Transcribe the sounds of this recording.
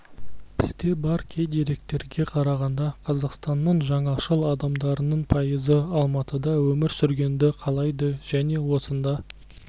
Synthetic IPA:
bʰɪzt̪e̞bɑɾkʲʰejd̪e̞ɾe̞k̚t̪e̞ɾɡʲe̞qʰɑɾɑʁɑnd̪ɑqʰɑzɑqst̪ɑnːəɴʒɑɴɑʃəlˠɑd̪ɑmd̪ɑɾənəɴpʰɑjəzəɑlˠmɑt̪əd̪ɑwɵmɪɾsʏɾɡʲe̞nd̪ɪqʰɑlˠɑjd̪əʒ̥æne̞wo̞sənd̪ɑ

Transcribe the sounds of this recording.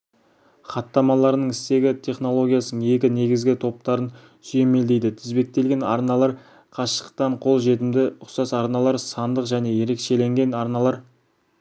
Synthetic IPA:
χɑt̪ːɑmɑlˠɑɾnəɴɪst̪e̞ɡʲɪt̪ʲʰe̞χno̞lˠo̞ɡʲijɑsnəɴe̞kʲɪne̞ɡʲɪzɡʲɪt̪ʰo̞p̚t̪ɑɾən | sʏje̞me̞ld̪ejd̪ɪt̪ʰɪzbe̞k̚t̪e̞lɡʲe̞nɑ̰ɾnɑlˠɑɾ | qʰɑʃə̥q̚t̪ɑɴqʰo̞lˠʒe̞t̪ɪmd̪ɪʊqsɑsɑɾnɑlˠɑɾsɑnd̪əqʒæne̞je̞ɾe̞kʃe̞le̞ŋɡʲe̞nɑɾnɑlˠɑɾ

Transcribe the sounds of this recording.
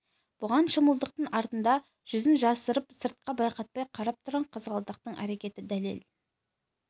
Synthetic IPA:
b̥ʊʁɑnʃəməlˠd̪əq̚t̪əɴɑɾt̪ənd̪ɑ | ʒ̥ʏzɪnʒɑsəɾəpsəɾt̪̚qɑbɑjqɑt̪̚pɑjqʰɑɾɑp̚t̪ʰʊɾʁɑɴqʰəzʁɑlˠd̪əq̚t̪əɴʔæ̰ɾe̞kʲe̞t̪ɪd̪æle̞̰l

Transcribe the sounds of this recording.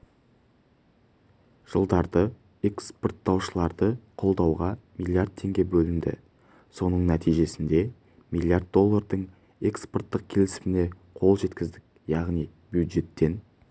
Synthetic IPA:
ʒ̥əlˠd̪ɑɾd̪ə | ekspo̞rt̪ːɑwʃəlˠɑɾd̪əqʰo̞lˠd̪ɑwʁɑmijlʲˠjard̪̚t̪ʰe̞ŋɡʲe̞bɵlɪnd̪ɪ̰ | so̞nəɴnæt̪ijʒe̞sɪnd̪e̞ | mijlʲˠjard̪̚d̪ːo̞lˠːard̪əɴ | e̞kspo̞rt̪ːəq̚kʲʰe̞lɪsɪmɪne | qʰo̞lˠʒe̞t̪kʲɪzd̪ɪk̚ | jɑʁnij | bjud̪ʒe̞t̪ːe̞n

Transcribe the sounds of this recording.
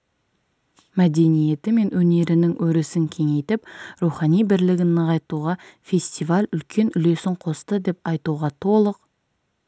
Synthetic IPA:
mæd̪e̞nije̞t̪ɪme̞nwɵne̞ɾɪnɪŋwɵɾɪsɪŋkʲʰe̞ŋe̞jt̪ɪp̚ɾuχɑnijbɪɾlɪɡʲɪnəʁɑjt̪uʁɑfʲe̞sʲt̪ivalʲʏlkʲʰe̞nʏle̞sɪŋqʰo̞st̪əd̪e̞pɑjt̪uʁɑt̪ʰo̞lˠəq

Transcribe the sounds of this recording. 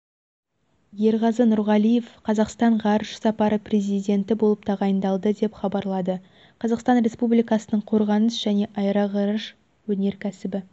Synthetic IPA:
je̞ɾʁɑzənʊɾʁɑlˠije̞fqʰɑzɑqst̪ɑɴʁɑɾəʃsɑpɑɾəpre̞zijd̪ʲe̞nt̪ɪbo̞lˠəp̚t̪ʰɑʁɑjənd̪ɑlˠd̪əd̪e̞pχɑbɑɾlˠɑd̪ə | qʰɑzɑqst̪ɑnɾʲe̞spublijkɑsənəɴqʰo̞ɾʁɑnəsʒ̥æne̞ʔɑjɾɑʁɑɾəʃ | wɵne̞ɾkʲʰæsɪbɪ

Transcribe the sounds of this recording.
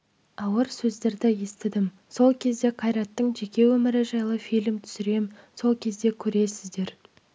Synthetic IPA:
ɑwəɾsɵzd̪e̞ɾd̪ɪje̞st̪ɪd̪ɪm | so̞lˠkʲʰe̞zd̪e̞qʰɑjɾɑt̪ːəɴʒe̞kʲe̞wɵmɪɾɪʒɑjlˠəfijlʲmt̪ʰʏ̥sʏɾe̞mso̞lˠkʲʰe̞zd̪e̞kʲʰɵɾe̞sɪzd̪e̞ɾ

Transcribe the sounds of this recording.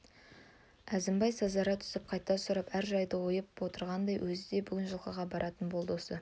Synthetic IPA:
æzɪmbɑjsɑzɑɾɑt̪ʰʏ̥sɪp̚qʰɑjt̪ːɑsʊɾɑpæɾʒɑjd̪əwojəpwo̞t̪əɾʁɑnd̪ɑjwʔɵzɪd̪e̞bʏɡʲɪnʒəlˠqɑʁɑbɑɾʔɑt̪ənbo̞lˠd̪osə

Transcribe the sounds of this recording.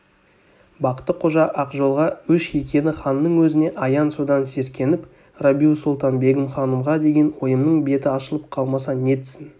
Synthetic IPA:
bɑqə̥t̪ːəqʰoʒɑʔɑqʒo̞lˠʁɑɵʃe̞kʲe̞nɪχɑnːəɴwɵzɪne̞ʔɑjɑnsod̪ɑnse̞skʲʰe̞nɪp | rabʲiusulˠt̪ɑnbe̞ɡʲɪmχɑnəmʁɑd̪e̞ɡʲe̞nwo̞jəmnəɴbe̞t̪ɪɑʃəlˠəp̚qʰɑlˠmɑsɑne̞t̪ɪ̥sɪn

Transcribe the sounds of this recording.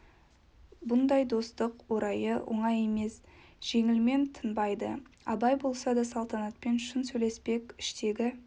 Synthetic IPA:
bʊnd̪ɑjd̪o̞st̪əqwo̞ɾɑjəwʔo̞̰ɴɑje̞me̞sʒ̥e̞ŋɪlme̞nt̪ʰənbɑjd̪ə̰ɑ̰bɑjbo̞lˠsɑd̪ɑsɑlˠt̪ɑnɑt̪̚pe̞nʃʊnsɵjlespe̞kʲɪ̥ʃt̪e̞ɡʲɪ

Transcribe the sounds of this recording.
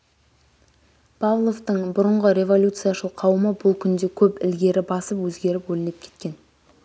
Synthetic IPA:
pʰɑvlˠo̞ft̪əɴbʊɾəɴʁəɾʲe̞vo̞lʲut̪sɨjaʃəlˠqʰɑwəməbʊlˠkʲʰʏnd̪e̞kʲʰɵpɪ̰lɡʲe̞ɾɪbɑsəpwɵzɡʲe̞ɾɪpwɵlɪnep̚kʲʰe̞̥t̪̚kʲe̞n

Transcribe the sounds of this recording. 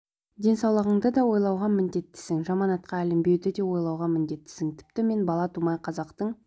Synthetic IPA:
d̪ʲe̞nsɑwlˠəʁəɴd̪əd̪ɑwo̞jlˠɑwʁɑmɪnd̪e̞t̪ːɪ̥sɪŋʒɑmɑnɑt̪qɑælɪmbe̞wd̪ɪd̪e̞wo̞jlˠɑwʁɑmɪnd̪e̞t̪ːɪ̥sɪŋt̪ʰɪ̥pt̪ɪme̞nbɑlˠɑt̪ʰumɑjqʰɑzɑqt̪əɴ

